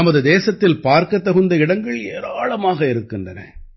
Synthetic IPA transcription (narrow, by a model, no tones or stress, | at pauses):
ɐmɐðɯd̪eːsɐt̪ːɪlpaːɾkɐt̪ːɐɣɯnd̪ɐɪɽɐŋɡɐɭeːɾaːɭɐmaːɣɐɪɾɯkːɪndrɐnɐ̰